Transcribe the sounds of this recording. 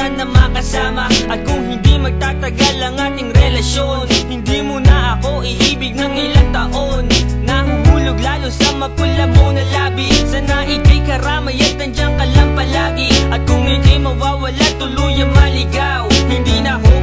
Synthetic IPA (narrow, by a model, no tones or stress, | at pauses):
anːɐmakɐsaːmɐʔɐt̪̚kʊŋhɪnd̪imɐɡ̚t̪aːt̪ɐɡalɐŋʔaːt̪ɪŋɾɛlɐsjo̞nhɪnd̪imʊnɐʔɐko̞ʔɪʔiːbɪɡ̚nɐŋɪlaŋt̪ɐʔo̞nːɐhʊhuːlʊɡlaːlosɐŋmɐkʊlɐmonɐlaːbisɐnaʔɪk̪ɐjkɐɾaːmɐjat̪ɐnd͡ʒɐŋkɐlɐmpɐlaːɡɪʔɐt̪̚kʊŋhɪnd̪imɐwaːwɐlat̪ʊluːjɐŋmɐlɪɡawhɪnd̪inɐɦo